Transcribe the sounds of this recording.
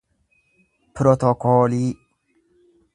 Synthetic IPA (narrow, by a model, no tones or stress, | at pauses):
pɾot̪ɔkoːli